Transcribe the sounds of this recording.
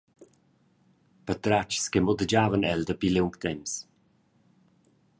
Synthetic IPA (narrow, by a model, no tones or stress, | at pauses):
pət̪ɾat͡ʃskɛmɔdəd͡ʒavənɛld̪əbilɪŋkt̪ɛms